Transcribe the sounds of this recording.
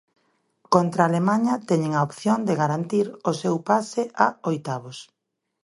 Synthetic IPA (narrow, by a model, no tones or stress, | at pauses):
kont̪ɾaːlemãɲɐt̪ɛɲeŋaopθjond̪eɣaɾant̪iɾosewpasɪʔaojt̪aβʊs